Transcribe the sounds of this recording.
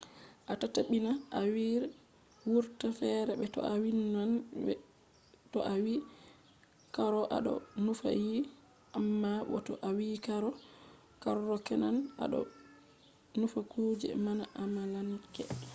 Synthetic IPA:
ʔatataɓinaʔawiɾ | wuɾtafɛɾɛbɛtɔ̰awinan | tɔʔawi | kaɾɔʔa̰ɗɔ̰nufa̰ji | ʔamːawɔ̰tɔ̰ʔawikaɾɔ | kaɾːɔkɛnana̰ɗɔ̰ | nufakuːd͡ʒɛ̰manaʔamalankɛ̰

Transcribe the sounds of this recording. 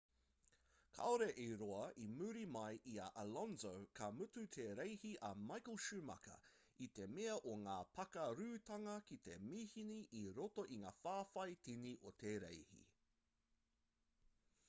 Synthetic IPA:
kʰa̰oɾeʔeɾoɐʔimʉɾimɐjʔiɐ̰ʔɐlɔnzowkʰɐmʉtʉt̪ʰeɾejhiʔɐmajkəlˠʃʉmɐ̰kɐ̰ | it̪emeɐʔoŋaːpʰɐkɐɾʉːt̪ɐŋɐkit̪emihiniʔiɾotoʔiŋaːfaːfɐjtiniʔotʰeːɾḛjhḭ

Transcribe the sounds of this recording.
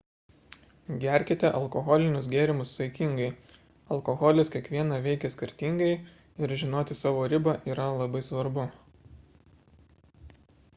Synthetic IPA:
ɡʲæˑɾʲkʲɪt̪ʲɛʔɐlˠkɔɣɔlʲɪnʲʊsɡʲeːɾʲɪmʊssɐɪkʲɪŋɡɐɪ | ɐlˠkɔɣɔːlʲɪskʲiɛkʋʲiɛnɑːʋʲɛɪkʲɛsʲkʲɪɾʲt̪ʲɪˑŋɡɐɪ | ɪɾʒʲɪnoːt̪ʲɪsɑːʋoːɾʲɪbɐʔiːɾɐlˠɐbɐɪsʋɐɾbʊ

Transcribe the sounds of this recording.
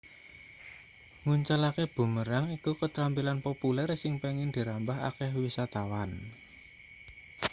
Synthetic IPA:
ŋuɲt͡ʃalakeb̥ṳməɾaŋikukət̪ɾampilanpopulɛrsɪŋpeŋɪnd̪̥i̤ɾambaɦa̰kɛhwisat̪awan

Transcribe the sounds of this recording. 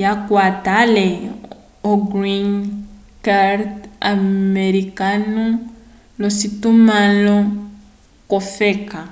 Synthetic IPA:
jakwatale | oɡɾin | kaɾtameɾikanu | lositumalɔ | kɔfeka

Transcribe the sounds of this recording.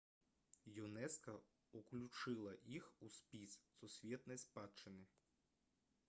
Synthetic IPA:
junɛskɐ | uklʲut͡ʂɨlˠɐʔixuspʲissusʲvʲɛt̪nɐjspat͡ʂɨnɨ

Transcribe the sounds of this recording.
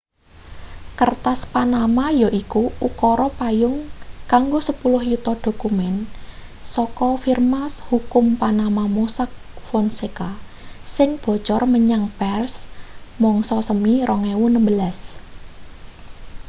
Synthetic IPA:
kərt̪aspanamajɔʔikuukɔɾɔpajʊŋkaŋɡosəpulʊhjut̪ɔd̪̥o̤kumɛn | sɔkɔfirmashukʊmpanamamusak̚fɔnseka | sɪŋb̥ɔ̤̥t͡ʃɔrməɲaŋpɛrsmɔŋsɔsəmiɾʔɔŋɛwunəmbəlas

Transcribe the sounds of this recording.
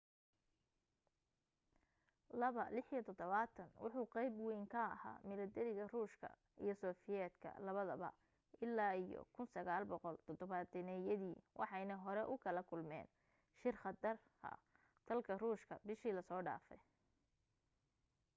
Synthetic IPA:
lɐβɐlɪħjɔt̪ʰɔd̪ɔβaːt̪ʰɐnwʔʊ̰ħʊːqɑjbwijŋkʰɐ̰ːha̰ːmɪlɐd̪ɛɾɪɣɐruːʃkʰɐ̰ | ḭjɞsɔːfɪjɛːd̪kʰɐ̰lɐβɐðɐβɐ̰ | ʔɪlːaːijɔ̰kʰʊnsɐɣaːlbɔqɔlt̪ʰɔd̪ɔβad̪ɪnɛjɐðiːwʔɑ̰ħɑjnɐɦɔɾɛʔʊkʰɐlɐkʰʊlmɛ̰ːn | ʃɪrχɐd̪ɐr | kʰɐ̰ | t̪ʰɐlkʰɐruːʃkʰɐbɪʃiːlɐsɔːɖa̰ːfɛj

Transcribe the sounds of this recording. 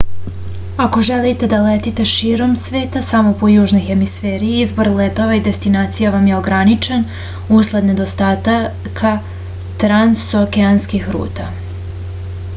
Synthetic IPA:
ako̞ʒelit̪e̞d̪alet̪it̪e̞ʃiːɾo̞msʋe̞ːt̪asamo̞pojuːʒno̞jxe̞misfeːɾiizbo̞ɾlˠet̪o̞ʋaid̪e̞st̪inaːt̪sijaʋamje̞o̞ɡɾanit͡ʃen | uslˠed̪ne̞d̪o̞st̪at̪a | kʰa | t̪ɾansokeanskixɾṵːt̪a

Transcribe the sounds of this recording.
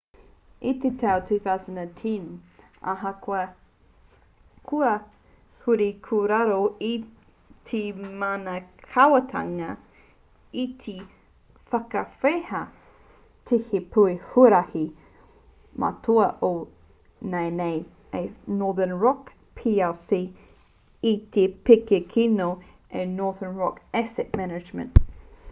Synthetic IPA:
it̪etʰawtʰʉːθawzə̃natʰĩn | a̰ɦɐkwɐ | kʰuɐ | huɾikʰuɾaɾoi | tʰemaːnɐkʰawɐtʰa̰ŋɐ | it̪ʰi | fɐkɐfehɐ | tʰehepʰuehuɾɐhi | mʔa̰tʰoɐʔo | nejnej | enɔːðənɹɔk | pʰiɛlsi | it̪ʰepekekʰino | enɔɹðənɹɔkɛsɛt̚mɛnɐd͡ʒmə̰̃nt

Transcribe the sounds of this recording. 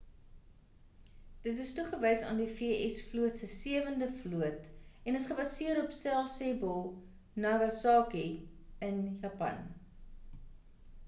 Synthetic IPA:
d̥ətəstuχəvəjsɑ̰ːndifiəʔɛsfluətsəsiəvəndəfluətɛnəsχəbɐsiəɾɔpsɛlˠsɛbɔlˠ | nɑɡɐsɑːkiənjɑpɐ̰n

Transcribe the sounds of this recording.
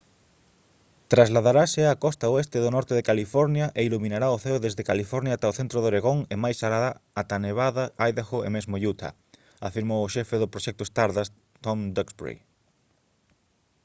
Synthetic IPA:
t̪ɾazlaðaɾasɪakɔst̪aoest̪ɪðʊnɔɾt̪eðekalifɔɾnjɐʔeiluminaɾaʊθeʊðezðekalifɔɾnjaːt̪aoθent̪ɾʊðoɾeɣoŋemajsaɾaaat̪aneβaðaajðaxoḛmezmʊʎut̪ʰa̰ | afiɾmowʊʃɛfeðʊpɾoʃɛk̚t̪ʊest̪aɾðas | t̪ɔmd̪oksbɾḛj

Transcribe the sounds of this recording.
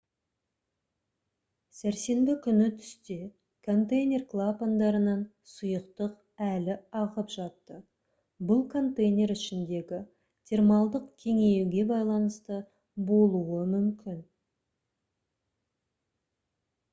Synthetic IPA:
sæɾse̞nbɪkʲʰʏnɪt̪ʰʏ̥st̪e̞ | kʰo̞nt̪ejnʲe̞rklˠapand̪ɑɾənɑn | sʊjəqt̪əq | ælɪɑʁəpʒɑt̪ːə | bʊlˠkʰo̞nt̪ejnʲe̞ɾʏʃɪnd̪e̞ɡʲɪ | t̪ʲʰe̞rmɑlˠd̪əqkʲʰe̞ŋe̞juɡʲe̞bɑjlˠɑnəst̪ə | bo̞lˠuwəmʏmkʲʰɪn

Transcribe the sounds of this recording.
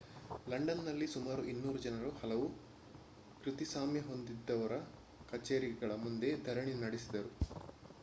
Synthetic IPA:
lɐɳɖɐnːɐlːisumaːɾuʔinːuːɾud͡ʒɐnɐɾuhɐlɐʋu | kɾit̪isaːmjɐɦo̞nd̪id̪ːɐʋɐɾɐ | kɐt͡ʃeːɾiɡɐɭɐmund̪e̞d̪ʱɐɾɐɳinɐɽisid̪ɐɾu

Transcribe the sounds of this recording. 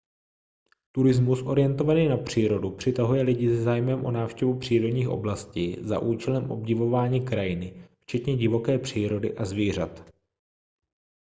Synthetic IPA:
t̪uɾɪzmusʔo̞ɾɪjɛnt̪o̞vaniːnapr̝̥iːɾo̞dupr̥ɪt̪aɦujɛlɪɟɪsɛzaːjmɛmʔo̞̰naːfʃcɛvupr̝̥iːɾo̞dɲiːxʔo̞̰blasciːza̰ʔuːt͡ʃɛlɛmʔo̞̰bɟɪvo̞vaːɲiːkɾajɪnɪft͡ʃɛt̪ɲɛɟɪvo̞kɛːpr̝̥iːɾo̞dɪ̰ʔazviːr̝at̪

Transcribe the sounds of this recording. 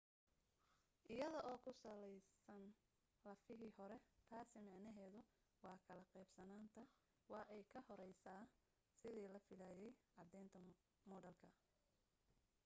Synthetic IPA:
ʔɪjɐðɔʔɔːkʰʊsɐlɛjsɐn | lɐfɪɦiːhɔɾɛt̪ʰaːsɪmɑʕnɐɦɛːðʊ | wɑːkʰɐlɐqɛjbsɐnaːnt̪ʰɐ | wɑːʔɛjkʰɐhɔɾɛjsaː | sɪðiːlɐfɪlaːjɛjʕɑd̪ɛːnt̪ʰɐ | mɔːdɐlkʰɐ

